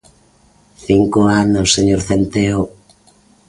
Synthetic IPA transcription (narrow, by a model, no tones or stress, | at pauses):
θiŋkoanʊsːeɲoɾθent̪eo